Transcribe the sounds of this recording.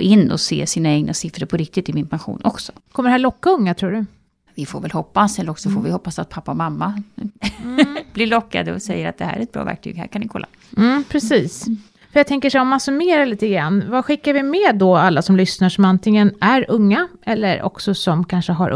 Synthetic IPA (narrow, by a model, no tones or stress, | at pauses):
ɪnːɔ̰sḛːsiːnaɛɡnasɪfɾəɾpʰɔɾɪk̚t̪ɪt̪ːɪmɪnpʰanɧṵːnʔɔksɔ̥kʰɔməɖ̪ɛhæːɭɔkːaɵŋːat̪ʰɾuːɖɵ | vɪfoɾvɛlhɔpːasɛlːɔksɔfoɾvɪhɔpːasat̪̚pʰapːaɔmamːa | b̥lɪɭɔkːa̰d̪əɔsɛjːəɾat̪̚d̪ɛhæ̰ːɾɛt̪̚bɾɑ̰ːvæ̰ɾk̚t̪ʰyːɡhæ̰ɾkʰanɪkʰɔlːa̰ | m̩ːpʰɾɛsiːs | fœɾjaɡt̪ɛŋkəʂɛjɔmːansɵmeːɾaɭiːt̪əɡɾanːvaɧɪkːaɾvɪmɛːd̪ɔalːasɔmlʏsnaʂɔmant̪ɪŋːənæɾɵŋːaɛlːə̰ɾɔ̰ksɔsɔmkʰanʂəɦaɾʔ